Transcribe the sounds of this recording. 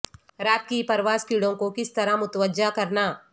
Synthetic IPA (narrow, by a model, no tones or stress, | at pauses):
ɾaːt̪̚kipɐɾʋaːskiːɽõkokɪst̪ɐɾãmʊt̪ʋəd͡ʒakɐɾnaː